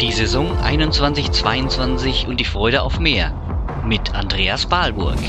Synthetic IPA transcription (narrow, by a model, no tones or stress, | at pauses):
d̥iːzezɔŋʔa̰ɪnʊnt͡sv̥ant͡sɪçt͡sv̥aɪʊnt͡sv̥ant͡sɪçʊnt̚d̥iːfʁ̥ɔʏɾəa̰ʊfmeːɐ | mɪtʰandʁeːasb̥aːlbʊ̰ɐk